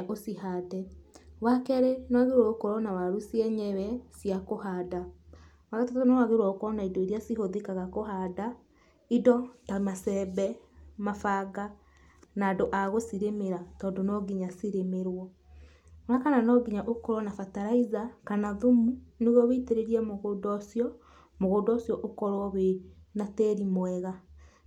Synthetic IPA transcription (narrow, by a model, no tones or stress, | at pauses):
ʔosiɦadɛwakɛɾɛnɔaɣeɾwɔokoɾɔnawaɾusiɛɲɛwɛsjakoɦada | waɣatatɔnɔaɣeɾwɔkɔɔnaidoiɾiasiɦoðekaɣakoɦada | idɔtamasɛβɛmafaɡa | naːdoʔaɣosiɾemeɾatɔːndonɔɡiɲasiɾemeɾwɔ | nakananɔɡiɲaʔokɔɾwɔnafataɾaizakanaðomuneɣɔβeiteɾeɾiamoɣodɔsjɔ | moɣodɔsjɔʔokɔɾwɔwenatɛɾimwɛɣa